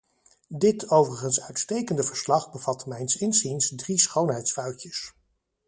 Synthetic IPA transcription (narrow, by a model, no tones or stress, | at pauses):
dɪtowvərəχənsœɥtstejkəndəvəɹslɑχbəvɑtmɛjnsɪnzinsdrisχownɦɛjtsfœɥcəs